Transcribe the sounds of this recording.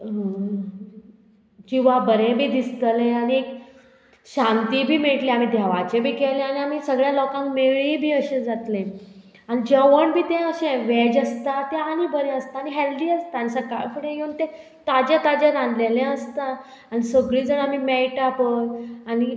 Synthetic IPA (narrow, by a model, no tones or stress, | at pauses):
d͡ʑĩʋ̤abəɾẽbʱiːd̪ist̪əlẽañiek̚ | ɕãnt̪ibʱiːmeʈleam̤iːd̪ʱjaʋat͡ɕebʱiːkɛlẽañiam̤iːsəɡɭjãlɔkãŋkmeɭibʱiːəɕẽd͡zat̪lẽ | añid͡ʑaʋəɳbʱiːt̪ẽəɕẽʋɛd͡ʑəst̪at̪eañibəɾẽəst̪aːɽ̃iɦɛld̪iːəst̪aansəka̰jfəɽẽjeunt̪e | t̪ad͡ʑet̪ad͡ʑeɾãnlelẽəst̪a | añisəɡɭiːd͡zəɽamiːmɛjʈapəjani